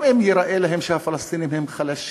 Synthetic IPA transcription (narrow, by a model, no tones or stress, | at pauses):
ʔemjeɾaʔelaɦemʃehafalast̪inimhemχalaʃ